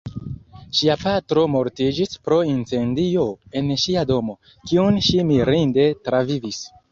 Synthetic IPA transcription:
ʃiapatɾo̞mo̞ɾtid͡ʒispɾo̞int͡se̞ndio̞e̞nʃiado̞mo̞ | kiunʃimiɾinde̞tɾavivis

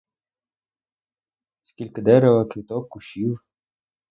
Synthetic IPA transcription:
skʲilʲkɪd̪ɛɾeʋɐkʋʲit̪ɔkːʊʃʲiw

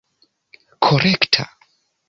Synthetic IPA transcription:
kʰoɾɛktʰa̰

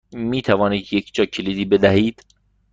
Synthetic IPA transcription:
miːt̪ʰævɒːniːd̪jekʰd͡ʒɒːcʰeliːd̪iːbed̪æɦiːd̪̥

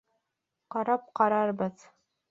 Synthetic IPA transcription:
qɑɾɑp̚qɑɾɑɾbɤð

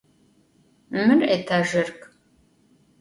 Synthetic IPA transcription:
mɨreːtʰaʒɪrkʼ

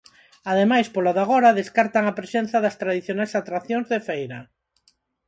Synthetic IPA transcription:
aðemajspolaðaɣ̞oɾaðeskaɾt̪aŋapɾesen̟θaðɐst̪ɾaðiθjonajsat̪ɾaθjoŋzðefejɾa

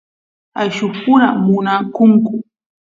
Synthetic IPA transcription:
ajʃʊpʊɾamʊnakʊŋkʊ

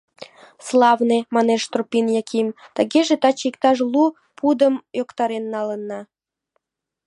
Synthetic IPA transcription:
slɑvnemɑneʃt̪ropʲinjɑkʲimt̪əɣeʒet̪ɑt͡ɕikt̪ɑʃ̬lu | pud̪əmjokt̪ɑɾenːɑlənːɑ

